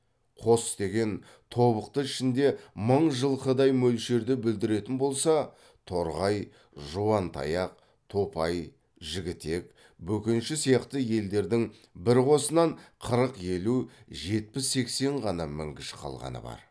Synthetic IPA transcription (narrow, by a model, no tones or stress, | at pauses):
qʰo̞st̪e̞ɡʲe̞n | t̪ʰo̞βəqt̪əɪʃɪnd̪e̞məɴʒəlˠqʰəd̪ɑjmɵlʃe̞ɾd̪ɪbɪld̪ɪɾe̞t̪ɪnbo̞lˠsɑ | t̪ʰo̞ɾʁɑj | ʒuwɑnt̪ʰɑ̰jɑq̚ | t̪ʰo̞pɑj | ʒɪɡʲɪt̪e̞k | bɵkʲɪnʃɪsijɑqt̪əje̞ld̪e̞ɾd̪ɪŋ | bɪɾqo̞sənɑɴqʰəɾəqje̞luʒe̞t̪̚pɪsːe̞kse̞ɴʁɑnɑmɪ̰ŋkʲɪʃɪ̥qʰɑ̰lˠʁɑ̰nə̰bɑ̰ɾ